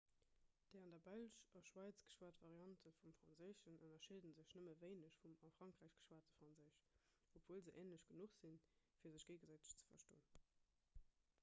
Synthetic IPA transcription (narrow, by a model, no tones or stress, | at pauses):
d̥eɪɑndɐbælʃɑʃwaɪt͡sɡ̥ə̥ʃwaːɐtvɑʁiɑntʰəfumfʁ̥ɑnzəːʃənʔənɐʃedənzəʃnəməveɪnəɕfumɑfʁ̥ɑŋkʁæːɪʃɡ̥ə̥ʃwaːɐtəfʁɑnzəːɕ | opv̥oːlzəʔeːnləɕɡ̥ənuχz̥infiːɐzəɕɡ̥eɪɡənzaɪtə̥ɕt͡sə̥fɐ̰ʃto̰ːən